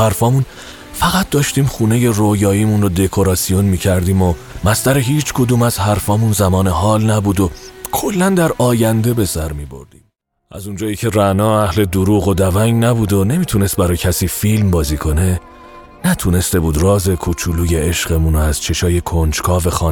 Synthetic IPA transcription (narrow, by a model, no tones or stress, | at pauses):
hæɾfɒːmun | fæɣæt̪̚ʰd̪ɒːʃt̪iːmχuːne̞je̞rojɒːiːmunrod̪e̞kʰo̞ɾɒːsijo̞nmiːcʰæɾd̪iːmo | mæst̪æɾeɦiːt͡ʃʰkʰod̪uːmæz̥hæɾfɒːmunzæmɒːne̞ɦɒːlnæbuːd̪okʰo̞lːænd̪æɾɒːjænd̪e̞be̞sæɾmiːbo̞̰ɾd̪̥ḭːm | ʔæ̰zund͡ʒɒːjiːcʰe̞ɾænɒːæhle̞d̪uɾuːɣo̞d̪ævæŋɟnæbuːd̪onemiːt̪ʰune̞st̪̚bæɾɒːjcʰæsiːfilmbɒːziːkʰo̞ne̞ | næt̪ʰune̞st̪e̞buːd̪rɒːze̞kʰuːt͡ʃʰuluːje̞eʃʁe̞munoæz̥t͡ʃʰe̞ʃɒːje̞kʰond͡ʒkʰɒːve̞xɒː